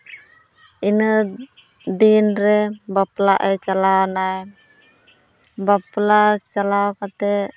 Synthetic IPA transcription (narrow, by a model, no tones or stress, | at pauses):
inə | dinɾɛbaplaʔɛt͡ʃalawnaj | baplat͡ʃalawkat̪ɛ